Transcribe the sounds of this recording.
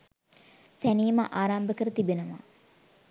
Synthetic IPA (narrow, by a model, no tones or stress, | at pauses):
t̪æniːməʔaːɾambəkəɾət̪ibenəʋa̰